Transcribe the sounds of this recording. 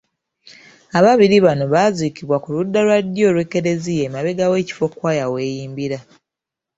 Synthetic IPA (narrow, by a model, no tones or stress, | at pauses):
aβaβiɾiβano̞βaziːkiβwakuludːalwadːjo̞ːlweke̞ɾe̞zije̞maβe̞ɡawe̞ːci̥fo̞kwaːjawe̞ːjiːmbiɾa